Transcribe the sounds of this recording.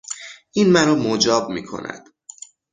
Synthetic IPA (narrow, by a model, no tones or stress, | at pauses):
ʔinmæɾɒːmod͡ʒɒːb̚mḭːkʰo̞̰nʔæ̰d̪̥